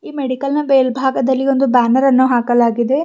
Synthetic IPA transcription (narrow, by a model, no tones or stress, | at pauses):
iːmeɽikɐlnɐbeːlbʱaːɡɐd̪ɐlːio̞nd̪ubaːnɐɾɐnːuɦaːkɐlaːɡid̪e̞